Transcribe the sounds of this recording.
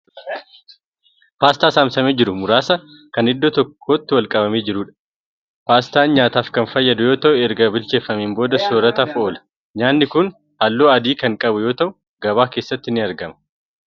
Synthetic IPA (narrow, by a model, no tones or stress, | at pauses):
paːst̪aːsaːmsɐmeːd͡ʒɪɾʊmʊɾaːsɐ | kɐnɪd̪ːot̪ɔkʰːoːt̪ːɪwɐlkʼɐbɐmeːd͡ʒɪɾuːᶑɐ̥ | faːst̪aːnɲaːt̪aːfkɐnfɐjːɐd̪ʊjo̞ːt̪ɐʔʊɛɾɡɐbɪlt͡ʃe̞ːfːɐmeːmbo̞ːd̪ɐsoːɾɐt̪afʔoːlɐ̥ | ɲaːnːɪkʊn | haːlːoːɐd̪iːkɐŋkʼɐbʊjo̞ːt̪ɐʔʊ | ɡɐβaːke̞ːsːɐt̪ːɪnɪɐɾɡɐmɐ̥